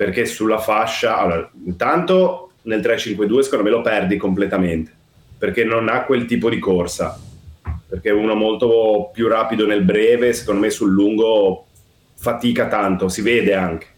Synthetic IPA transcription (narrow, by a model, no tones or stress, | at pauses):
perk̟esulːafaʃːaa̰lːoːɾaint̪ant̪o | nelt̪ɾet͡ʃiŋkwed̪uːese̥kond̪omelopɛrd̪ikomplet̪ament̪e̥ | perk̟enːonakːwelt̪iːpod̪ikorsa̰ | perk̟euːnomolt̪opjuraːpid̪onelbɾɛːvese̥kond̪omesulːuŋɡo | fat̪iːkat̪ant̪osiveːd̪eaŋk̟e̥